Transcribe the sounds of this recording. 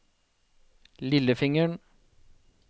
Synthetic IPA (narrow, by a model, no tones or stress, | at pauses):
lɪləfɪŋəɳ